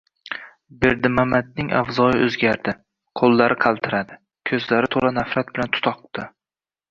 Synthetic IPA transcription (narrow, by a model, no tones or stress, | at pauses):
beɾd̪ɪmamad̪̚nɪŋa̰vzɒjɪʔɵzɡʲaɾd̪ɪ | qʰolˠːaɾʔɪqʰɑlˠt̪ʰɪɾad̪ɪ | kʲʰɵzlaɾɪt̪ʰolanafɾat̪̚bɪlant̪ʰʊ̥t̪ʰɒq̚t̪ɪ